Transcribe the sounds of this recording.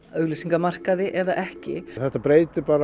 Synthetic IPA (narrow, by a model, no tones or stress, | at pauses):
œɣlisiŋkamar̥kaðɪʔɛðaʔɛhcɪ̰θɛht̪apɾeːjt̪ɪpaːɾa